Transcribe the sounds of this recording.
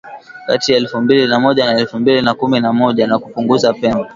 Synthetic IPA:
ka̰tijaɛlfumbilinamɔʄanaɛlfumbilinakuminamɔʄanakupuŋɡuzapɛmbɔ

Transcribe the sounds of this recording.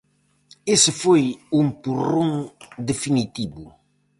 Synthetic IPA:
esɪfojũmpurõŋd̪efinit̪iβu

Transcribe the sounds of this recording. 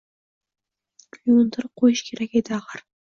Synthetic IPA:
klʲund̪ɑɾqʰojuʃkʲʰeɾæked̪ɪɑʁɑɾ

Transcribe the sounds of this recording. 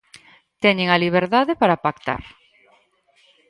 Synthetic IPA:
t̪ɛɲeŋaliβ̞eɾðaðepaɾapakt̪a̰ɾ

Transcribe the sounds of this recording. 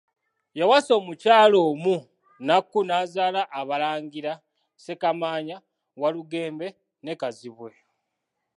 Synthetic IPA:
jawaso̞ːmucaːlo̞ːmu | nakːunaːzaːlaʔːβalaːŋɡiɾa | se̞kamaːɲa | waluɡe̞ːmbe̞ | ne̞kaziβwe̞

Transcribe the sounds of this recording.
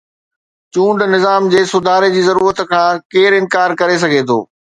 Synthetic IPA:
t͡ɕũːɳɖnɪzaːmd͡ʑeːsʊd̪ʱaːɾed͡ʑiːzɐɾuːɾət̪kʰãːkeːɾɪ̃nkaːɾkɐɾes̬ɐɡʱet̪ʰo̰ː

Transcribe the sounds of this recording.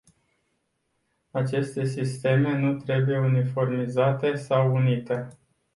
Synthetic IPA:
at͡ʃe̞st̪e̞sist̪e̞me̞nut̪ɾe̞buje̞unifo̞rmizat̪e̞sawunit̪e̞

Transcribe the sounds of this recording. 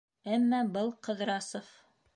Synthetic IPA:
æmːæbɤlˠqɤ̆ðɾɑsof

